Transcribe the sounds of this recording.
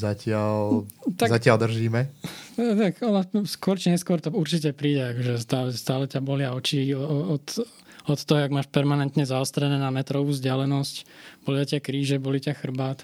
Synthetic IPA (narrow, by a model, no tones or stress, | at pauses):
zacɪalt̪azacɪald̪r̩ʒiːmɛ | t̪akɔnaskʊɔɾt͡ʃiɲɛskʊɔɾt̪ɔuɾt͡ʃic̬ɛpɾiːɟɛakɔʒɛst̪aːlɛst̪aːlɛcabɔlɪaɔt͡ʃiɔt̪ | ɔt̪ːɔɦɔjaɡmaːʃpɛɾmanɛnt̪ɲɛzaɔst̪ɾɛnɛːnamɛt̪ɾɔʋuːzɟɪalɛnɔscb̥ɔlɪacɪakɾiːʒɛbɔlicaxr̩baːt̪